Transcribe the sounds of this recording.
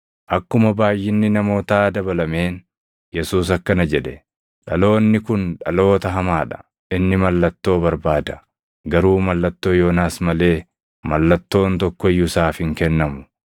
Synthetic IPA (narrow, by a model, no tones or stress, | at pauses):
ʔɐkːʊmɐbaːjːɪnːɪnɐmo̞ːt̪aːd̪ɐbɐlɐme̞ːn | jɛsuːs̬ɐkːɐnɐd͡ʒɛᶑɛ | ᶑɐlo̞ːnːɪkʊnᶑɐ̰lo̞ːt̪ɐɦɐmaːᶑɐ̥ | ɪnːɪmɐlːɐt̪ːo̞ːbɐɾbaːd̪ɐ̥ | ɡɐɾuːmɐlːɐt̪ːo̞ːjo̞ːnaːsmɐle̞ː | mɐlːɐt̪ːo̞ːnt̪ɔkːɔɪjːʊsaːfhɪŋkɛnːɐmʊ